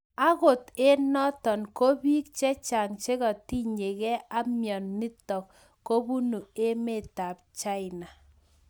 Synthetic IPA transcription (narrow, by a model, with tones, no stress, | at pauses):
a˦ko˨te˦nɔ˦tɔ˨nko˦bi˦kt͡ʃɛ˦t͡ʃa˨ŋt͡ʃe˦kɔ˨ti˦ɲe˨kɛ˦a˦mjɔ˨nːɪ˦tɔ˨kː | o˦bu˦nu˨e˦me˦ta˨p̚t͡ʃa˦ɪ˨na˨